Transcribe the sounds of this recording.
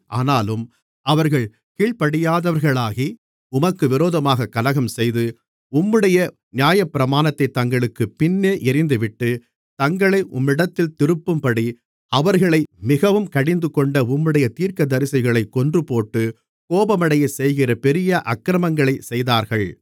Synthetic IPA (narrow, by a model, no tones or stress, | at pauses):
ʔaːnaːlɯm | ʔɐʋɐɾɣɐɭ | kiːɭpɐɽɪjaːðɐʋɐɾɣɐɭaːɣi | ʊmɐkːɯʋɪɾoːðɐmaːɣɐkːɐlɐɣɐmsɛjðɯ | ʊmːɯɽɐjɐ | nɪjaːjɐpːɪɾɐmaːnɐt̪ːɐɪt̪ːɐŋɡɐɭɯkːɯpɪnːeːʔɪɾɪnd̪ɯʋɪʈːɯ | t̪ɐŋɡɐɭɐɪʔʊmɪɽɐt̪ːɪlt̪ɪɾɯpːɯmpɐɽi | ɐʋɐɾɣɐɭɐɪmɪɣɐʋɯmkɐɽɪnd̪ɯkːɔɳɖɐʊmːɯɽɐjɐt̪iːɾkɐd̪ɐɾɪsɐɪɣɐɭɐɪkːɔndrɯpoːʈːɯ | koːbɐmɐɽɐjɐɪsɛjɣɪrɐpɛɾɪjɐʔɐkːɾɐmɐŋɡɐɭɐɪsɛjðaːɾɣɐɭ